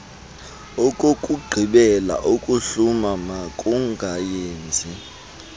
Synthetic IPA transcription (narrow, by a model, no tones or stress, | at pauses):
okʼokʼuɡ͡ǃʱiɓɛla̰ʔokʼuɬumamakʼuŋɡʱajeːnd͡zʱi